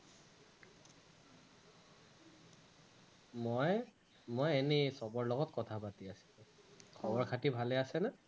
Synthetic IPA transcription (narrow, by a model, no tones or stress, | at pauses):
mɔj | mɔjenisɔbɔɹlɔɡɔtkɔtʰapatiasi̥lũkʰɔbɔɹkʰatibʱalɛasɛnɛ